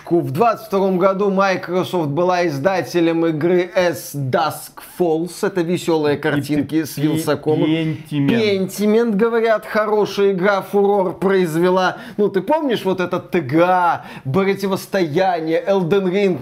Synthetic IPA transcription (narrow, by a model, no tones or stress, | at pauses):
kʊvd̪vat̪sə̥tʲft̪ɐɾo̞mɡɐd̪umajkɾɐsoft̪̚bɨlˠaɪzd̪atʲɪlʲəmɪɡɾɨʔɛsd̪askfolˠsɛt̪əvʲɪsʲo̞lˠɨjəkɐrnttʲinkʲɪsvʲɪlˠsɐkomnʲpʲenʲtʲɪmʲɪnt̪ɡəvɐɾʲat̪xɐɾo̞ʂɨjəɪɡɾafʊɾo̞rpɾəɪzvʲɪlˠa | nut̪ɨpo̞mnʲɪʂvo̞t̪ɛt̪ət̪ːɨɡa | pɾətʲɪvəst̪ɐjænʲɪjəʔɛlˠd̪ənɾʲink